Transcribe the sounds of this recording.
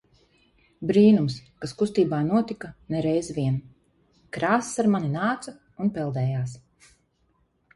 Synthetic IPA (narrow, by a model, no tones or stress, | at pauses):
bɾiːnumskaskust̪iːbaːnuɔt̪ikanɛɾɛjzviɛn | kɾaːssaɾmaninaːt̪sa | unpɛlˠd̪ɛːjaːs